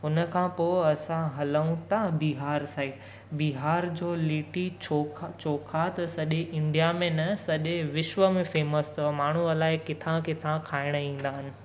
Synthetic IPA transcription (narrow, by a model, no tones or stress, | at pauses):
ɦʊnə̆kʰãpoːɪɐsãɦɐləũt̪ãbiːɦaːɾsaːi | biːɦaːɾd͡ʑoːliːʈit͡ɕʰokʰt͡ɕoːkʰat̪ɐsɐʄeʔɪ̃ɳɖijamẽnɐsɐʄeʋɪʃʋəmẽfeːməst̪maːɳ̤uɐlaːɪkɪt̪ʰãkɪt̪ʰãkʰaːɪɽ̃əĩːn̆d̪aːɦɪnɪ̆